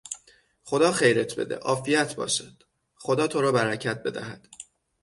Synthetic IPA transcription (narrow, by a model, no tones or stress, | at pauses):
χo̞d̪ɒːχejɾet̪ʰbe̞̰d̪e̞̰ʔɒːfijæt̪ʰbɒ̰ːʃæd̪̥ | χo̞d̪ɒːt̪ʰo̞ɾɒːbæɾæcʰæt̪̚be̞d̪æ̰hæd̪̥